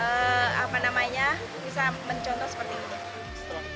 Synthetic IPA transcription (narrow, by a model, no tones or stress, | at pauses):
əa̰panamaɲa | bisaməɲt͡ʃɔnt̪ɔhsə̥pərt̪iit̪u